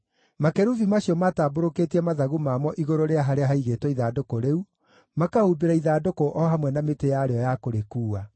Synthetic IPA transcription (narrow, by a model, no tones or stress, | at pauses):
makɛɾuvimaɕiɔmataːboɾokeːtiɛmaðaɣumamɔʔiɣoɾoɾeaɦaɾeaɦaiɣeːtwɛiðadokoɾeu | makahubeɾaiðadokoʔɔɦamwɛnametejaɾeɔjakoɾekuːa